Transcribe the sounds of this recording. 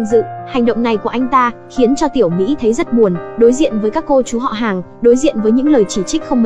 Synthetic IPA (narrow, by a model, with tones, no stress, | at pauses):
ŋzɨ̰˧˨ha˨˩jŋ̟ɗə̰˧˨wŋ͡mna˨˩jku˧˩ʔa˧jŋ̟t̪aː˧xi˨˦ənt͡ɕɔ˧t̪i˧˩əwmḭ˧˥t̪ʰə˨˦jzə˦˥t̚ɓu˨˩ənɗo˨˦jzḭ˧˨ənvəː˨˦jkaː˦˥kːo˧t͡ɕu˨˦ɦɔ̰˧˨ɦaː˨˩ŋɗo˨˦jzḭ˧˨ənvəː˨˦jɲɨ̰˧˥ŋləː˨˩jt͡ɕi˧˩t͡ɕï˦˥k̟̚xə˧wŋ͡mm˨